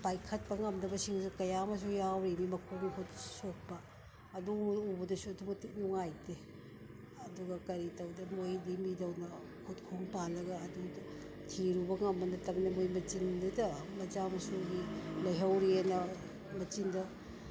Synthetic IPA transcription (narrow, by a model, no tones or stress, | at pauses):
pajkʰɐt̚pɐŋɐmnɐbɐsiŋsikɐjamɐs̬ujawɾinimɐkʰoŋkut̚sok̚pɐː | duubɐdɐsuɐdumɐtik̚nuŋajte | ɐduɡɐkɐɾitɐwdɐmojdimidɐwnɐ | kʰut̚kʰuŋpalɐɡɐːdu | tʰiɾubɐŋɐmbɐnɐtɐmnɐmojmɐt͡ʃindɐdɐmɐd͡ʒamɐsuɡilɐjɦɐwɾienɐ | mɐt͡ʃindɐ